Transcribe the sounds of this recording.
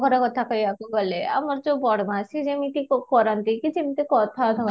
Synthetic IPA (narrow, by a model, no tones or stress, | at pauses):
kɔɾakɔt̪ʰakɔjakoɡɔlea̰maɾd͡ʒobɔɽmãsid͡ʑemit̪ikkɔɾant̪ikit͡ʃʰimit̪ikɔt̪ʰat̪ʰak